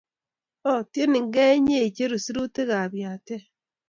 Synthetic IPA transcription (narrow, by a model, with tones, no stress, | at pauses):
o˦tje˦ni˨ŋɡe˦ɲe˦˨i˨t͡ʃe˦ɾu˨si˦ɾu˦te˦ɣa˨βja˨te˦